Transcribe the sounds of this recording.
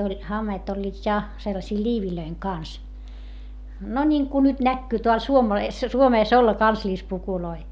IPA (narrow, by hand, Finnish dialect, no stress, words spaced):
olʲ hɑmːeːt olʲːiːt jɑ selːɑsiː lʲiːʋiløiŋ kɑns no nʲiŋku nyt nækːyː teæl suomeːs suomeːs olːɑ kɑnslʲispukuloi